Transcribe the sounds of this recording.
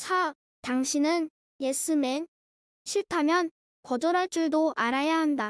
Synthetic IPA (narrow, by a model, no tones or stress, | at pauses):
t͡ɕʰa | taŋɕʰinɯn | jes͈ɯmen | ɕʰiɭtʰamjʌn | kʌd͡ʑʌɾɦaɭt͡ɕ͈uɭdoʔaɾajaɦanda